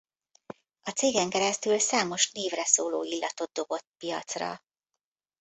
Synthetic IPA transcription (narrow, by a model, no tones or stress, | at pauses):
ɒt̪seːɡɛŋkɛɾɛst̪ylsaːmo̞ʃnliːvrɛsoːlo̰ːilːɒt̪o̞d̪̚d̪o̞bo̞t̪pijɒ̰t̪srɒ̰